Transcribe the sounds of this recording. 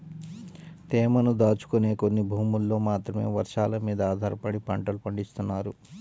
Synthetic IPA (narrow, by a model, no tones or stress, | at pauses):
t̪ɛːmɐnud̪aːt͡ʃu̥kune̞ːko̞nːibʱuːmulːo̞ːmaːt̪ɾɐme̞̰ːʋɐɾʂaːlɐmiːd̪ɐaːd̪ʱaːɾɐpɐɽipɐɳʈɐlupɐɳɖist̪unːaːɾu